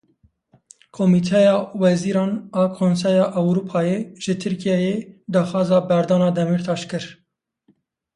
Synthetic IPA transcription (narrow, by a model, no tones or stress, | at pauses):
kʰomiːt̪ʰɛjɑːwɛziːɾɑːnɑːkʰons̬ɛjɑːʔɛwɾuːpʰɑːjeʒ̥ɨt̪ʰɨɾkʰijɛjed̪ɑːxɑːzɑːbɛɾd̪ɑːnɑːd̪ɛmiːɾt̪ʰɑːʃkɨɾ